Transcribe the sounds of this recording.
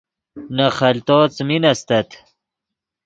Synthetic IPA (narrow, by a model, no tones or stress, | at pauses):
nɐχɐlt̪oːt͡sminɐst̪ɐt̪